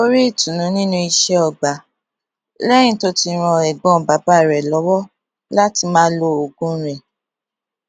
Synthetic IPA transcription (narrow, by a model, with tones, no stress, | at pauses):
o˦ɾi˦i˦˨tũ˨nũ˨˦nĩ˦nũ˧i˧ʃɛ˧ɔ˨ɡ͡ba˨˦ | lɛ˦jĩ˧to˦ti˧ɾ̃ɔ̃˧ɛ˨ɡ͡bɔ̃˨ba˨˦ba˦˨ɾɛ˨lɔ˨˦wɔ˦ | la˦ti˧mãː˦lo˧o˨ɡũ˦ɾɛ˨